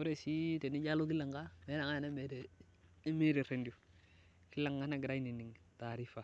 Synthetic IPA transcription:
o˦ɾe˦˨si˦te˨ni˦ɟa˦lo˦ki˦la˨ŋɡa˦me˦na˨ŋa˦˨ne˦me˦ɾe˨˦ | me˦ɾe˨ɾe˨ndi˨u˨ | ki˦lːa˨ŋɡa˦na˦ɡɾa˦i˦ni˨ni˨ŋta˨ɾi˦fa˨

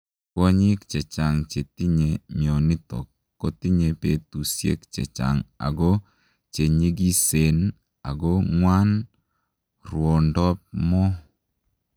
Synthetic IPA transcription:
kɔ˦ɲɪ˦k̚t͡ʃɛ˨t͡ʃa˨ŋt͡ʃe˨t̪i˦ɲe˨mi˨ɔ˨ni˦t̪ɔ̰˨kːɔ˦t̪i˦ɲe˨pe˨tu˨sjḛ˦kt͡ʃɛ̰˨t͡ʃa̰˨ŋa̰˨ɡɔ˦ | t͡ʃe˨ɲi˦ɡi˦se˨n | a̰˨ɡɔ˦ŋwa˦n | rwɔ˨ndɔ˦p̚mɔ˦

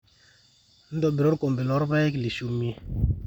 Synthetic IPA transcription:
n̩˦dɔ˨be˨ɾo˦ɾko˨m˨be˨lɔ˨˦ɾba˦kli˨ʃu˨mi˦

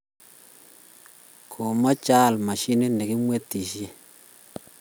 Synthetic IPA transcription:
kʰʊ˨mɔ˦t͡ʃa˦˨lma˨ʃɪ˦nɪ˦nɛ˨kɪ˦mwe˦tːi˨ʃje˦

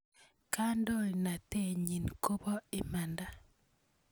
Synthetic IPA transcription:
ka˦ndɔ˦lna˨te˦˨ɲi˨nko˦bɔ˦ɪ˨ma˨nda˨

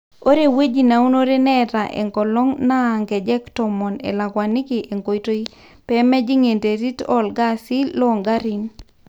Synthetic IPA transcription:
o˦ɾe˨we˦d͡ʒi˨na˨u˦no˦ɾe˦nɛ˦ta˨ʔḛ˨ŋkɔ˨lɔ˦ŋna˦˨ŋɡɛ˨d͡ʒɛ˦ktɔ˨mɔ˨nḛ˨la˨ɡwa˨nɪ˦kɪ˨ʔe˨ŋko˨ito˦i˦ | pɛ˨˦mɛ˦d͡ʒi˦ŋe˨nte˨ɾi˦tɔ˦lɡa˦si˦lːɔ˦˨ŋɡa˦ɾi˨n

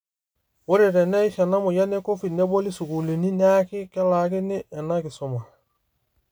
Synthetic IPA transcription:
wo˦ɾe˨ɾɛ˨nɛ˦xɛ˨na˦mʊ˨ja˦ne˦ko˦fi˨dnɛ˦bo˦li˦su˨ku˨li˨ni˦n˦a˦kɪ˦kɛ˦la˨kɪ˦nɪ˦ɛ˨na˦kɪ˨sʊ˨ma˨

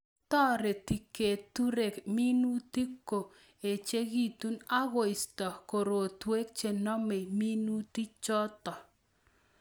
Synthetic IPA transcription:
tɔ˦ɾe˨ti˨ke˨tu˦ɾe˨kmi˦nu˦ti˦kːo˨ | e˨t͡ʃe˦ɣi˦˨tu˦na˦ɣo˨ɪ˨stɔ˨ko˨ɾo˨twe˦k̚t͡ʃe˨nɔ˦me˨mi˦nu˦ti˦t͡ʃɔ˦tɔ˨

